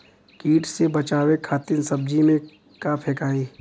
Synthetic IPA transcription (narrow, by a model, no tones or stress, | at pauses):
kiːʈsebɐt͡ʃaːwekʰaːt̪ɪnsɐb̚d͡ʒimẽ | kaːpʰɛːkaːiː